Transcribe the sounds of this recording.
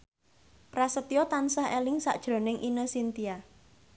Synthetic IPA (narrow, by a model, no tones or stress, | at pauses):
pɾasət̪iɔt̪ansaɦelɪŋsa̰ʔd̥ʒ̥ɾo̤nɪŋʔinəsint̪ia